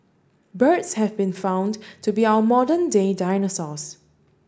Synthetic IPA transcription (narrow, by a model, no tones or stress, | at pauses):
bətshɛvbĩnfãʊ̃ndtʰubiawəmɔdəndedaɪnəsɔs